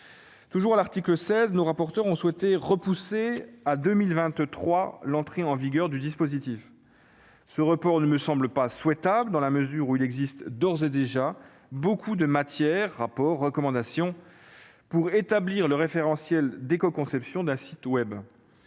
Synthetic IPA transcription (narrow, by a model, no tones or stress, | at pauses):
t̪uʒuʁalaʁt̪ikləsɛznoʁapɔʁt̪œʁɔ̃swɛt̪eʁəpusead̪ømilvɛ̃t̪t̪χwalɑ̃t̪χeɑ̃viɡʲœʁd̪yd̪ispozit̪if | səʁəpɔʁnəməsɑ̃bləpaswɛt̪abləd̪ɑ̃laməzyʁuilɛɡzist̪d̪ɔʁzed̪eʒa | bokʰud̪əmat̪jɛʁːapɔʁːəkɔmɑ̃d̪asjɔ̃ | puʁet̪abliʁləʁefeʁɑ̃sjɛld̪ekɔkɔ̃sɛpsjɔ̃d̪ɛ̃sit̪wɛb